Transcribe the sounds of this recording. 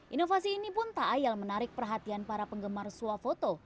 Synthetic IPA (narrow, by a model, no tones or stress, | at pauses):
ʔinofasiːnipʊnt̪aʔːjalmənaɾɪk̚pərɦat̪ianpaɾapəŋɡəmarsuafot̪o